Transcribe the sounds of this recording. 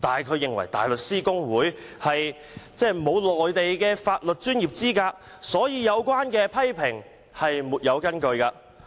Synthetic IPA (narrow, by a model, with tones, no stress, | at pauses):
t̪aː˨nkʰɵ˨˧ɥjɪ˨ŋwɐ̰˨˩jt̪a̰ː˨˩jlɵ˨t̚siː˥kʊ˥ŋwuː˨˥jhɐ˨j | t͡sɛː˥˩mo˨˧wlɔː˨jt̪e˨jkɛː˧faː˧t̚lɵ˨t̚t͡ʃyː˥njiː˨p̚t͡siː˥kaː˧k̚ | sɔː˨˥jiː˨˧jɐ˨˧wkwaː˥nkɛː˧pʰɐ˥jpʰɪ˨˩ŋ | hɐ˨jmuː˨˩t̚jɐ˨˧wkɐ˥nkɵ˧ɥkaː˧